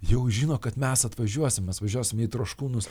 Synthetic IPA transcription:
jɛʊʒʲiːnoːkɐt̪mʲɛsɐt̪ʋɐʒʲuɔsʲɪmɛsʋɐʒʲuɔsʲɪmiːt̪ɾoːʃkuːnʊs

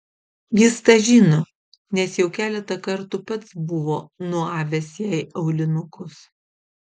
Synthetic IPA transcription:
jɪst̪ɐʒʲiːnoː | nʲɛsjɛʊkʲæːlʲɛt̪ɐkɐɾt̪ʊpɐt̪sbʊʋoːnʊɑːʋʲɛsjæˑɪɐʊlʲɪnʊkʊs

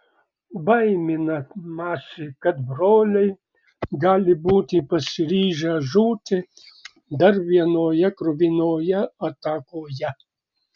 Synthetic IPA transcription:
bɐjmʲɪnɐmaːsɪkɐt̪bɾoːlʲɛj | ɡɑːlʲɪbuːt̪ɪpɐsɪɾʲiːʒaːʒuːt̪ɪ | d̪ɐɾʋiɛnoːjɛkɾʊʋʲinoːjɛɐt̪aːkoːjɛ

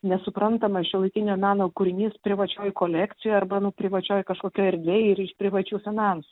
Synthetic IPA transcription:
nʲɛsʊpɾɐnt̪ɐmɐʃʲɪlˠɐɪkʲɪnʲoːmʲæːnoːkʊɾʲɪnʲiːspʲɾʲɪʋɐt͡ʃʲoːjkoːlʲæːkt̪t͡s̪ʲɪjoːɐrbɐnʊpʲɾʲɪʋɐt͡ʃʲoːjkɐʃkoːkʲoːɛɾʲd̪ʲʋʲeːjɪrɪʃpʲɾʲɪʋɐt͡ʃʲuːfʲɪnɑnsu

